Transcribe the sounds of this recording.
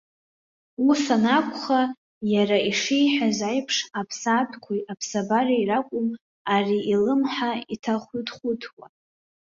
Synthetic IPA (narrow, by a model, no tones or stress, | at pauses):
usanakʷʰʼχa | jaɾaiʂejħazajpʰʂapʰsatʰkʷʰujapʰsabarairakʷʼʊm | ariʔilɨmħaitʰaχʷydχʷʊtʰwa